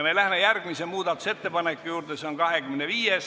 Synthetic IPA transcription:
melæhmejærɡ̥misemuːd̪ɑt̪ːˑu̥se̞t̪ːe̞pɑnekˑːujuːrt̪eseoŋkɑɦekymeneʋiːjes

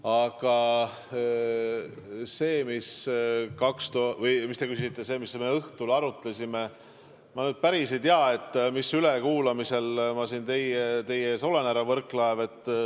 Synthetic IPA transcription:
ɑɡ̥ɑ | se̞ːmiskɑkst̪ovɤjmist̪ekysiiit̪ˑːe̞se̞ːmisme̞ɤht̪ulɑɾut̪ːˑesime | mɑnyːd̪̚pæɾis̬ejt̪eɑe̞t̪ːˑmisylekuːlɑmise̞lmɑsint̪e̞jet̪e̞jeeːso̞lenæɾɑvɤrklɑeve̞t̪ːˑ

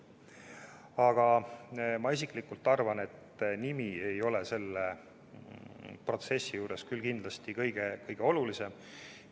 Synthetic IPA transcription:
ɑɡ̥ɑ | mɑis̬iklikult̪ːˑɑrvɑne̞t̪nimiejo̞lese̞lːe | pro̞t̪se̞sːijuːɾe̞skylkind̪lɑst̪ikɤjɡ̥ekɤjɡ̥e̞o̞lulise̞m

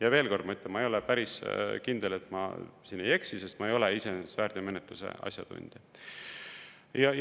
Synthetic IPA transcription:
jɑve̞ːlko̞rd̪mɑyt̪lemɑejo̞lepæɾiskind̪̥e̞le̞t̪ˑmɑ̰sinːe̞je̞ksise̞st̪mɑe̞jo̞leisensvæːɾd̥̪eme̞net̪ˑlusḛʔɑ̰sʲjɑ̰d̪̥ṵnʲd̪̥i | jɑ

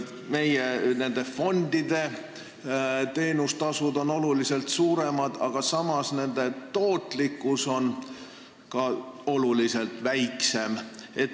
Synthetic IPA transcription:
me̞jene̞nd̪e̞fo̞nd̪id̪̥e̞ | t̪e̞ːnust̪ɑsud̪o̞no̞luliselt̪suːɾe̞mɑd̪ɑ̰ɡ̥ɑsɑmɑsne̞nd̪̥e̞t̪o̞ːt̪likːˑuso̞n | kɑo̞lulise̞lt̪væjkse̞me̞t̪

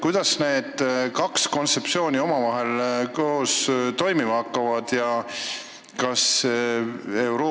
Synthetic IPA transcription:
kujd̪̥ɑsne̞ːd̪̥kɑksko̞nt̪se̞psio̞ːnʲio̞mɑvɑɦe̞lkoost̪o̞jmimɑhɑkːɑvɑd̪̥jɑ | kɑs | ewɾoː

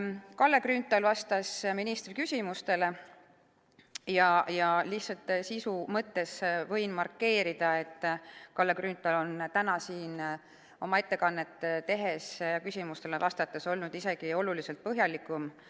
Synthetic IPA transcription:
kɑlːe̞kryːnt̪ːˑɑlvɑst̪ɑsminist̪rikysʲimust̪e̞le̞ | jɑjɑlihtsɑlt̪sisumɤt̪ːe̞svɤ̞jnmɑrkːe̞ːɾid̪̥ɑe̞t̪ˑːkɑlːekryːnt̪ˑɑlo̞nt̪ænɑsiːn | o̞mɑe̞t̪ːe̞kɑnːe̞t̪ːˑt̪ːe̞ɦe̞sjɑkysʲimust̪e̞levɑst̪ɑt̪ːˑeso̞lnud̪̥ise̞ɡ̥io̞lulise̞lt̪̚pɤɦjɑlikːˑum

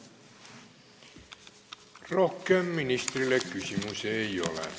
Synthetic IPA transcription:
rohkːeːmːinist̪rilːˑekkysymyseio̰lḛ

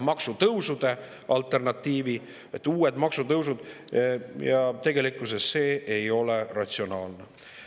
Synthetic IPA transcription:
mɑksut̪ɤwsud̪̥e̞ | ʔɑlt̪ːˑe̞rnɑt̪ʲːiːvi | et̪ːˑuːed̪mɑksut̪ɤws̬ud̪̥ | jɑt̪e̞ɡe̞likːˑus̬esːe̞ːejo̞lerɑt̪ʲsio̞nɑːlne

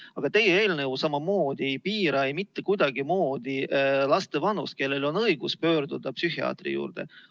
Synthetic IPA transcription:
ɑɡ̥ɑt̪e̞jeeːlnɤwsɑmɑmoːd̪̥ijpiːɾɑejmit̪ːekujd̪ɑɡimo̞ːd̪̥iʔlɑst̪e̞vɑnus̚ke̞lːe̞lo̞nɤiɡ̥uspø̞ːɾd̪̥ud̪̥ɑpsyhiɑ̰ːt̪rḭjṵːrd̪̥ḛ

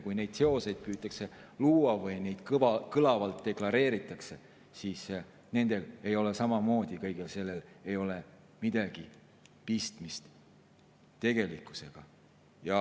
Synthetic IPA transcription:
kujne̞jd̪̥se̞o̞se̞jd̪̥̚pyːt̪ˑːɑkse̞luːɑvɯjne̞jd̪̥kkɯlɑvɑlt̪ːe̞klɑɾe̞ːɾit̪ːˑɑkse̞ | siːs | ne̞nd̪̥e̞le̞jo̞le̞sɑmɑmo̞ːd̪̥ʲikɤ̞jɡ̥else̞lːe̞lejo̞le̞ | mid̪̥ɑɡ̥i | pist̪mist̪ | t̪e̞ɡ̥e̞likːˑu̥se̞ɡ̥ɑ̰ | jɑ

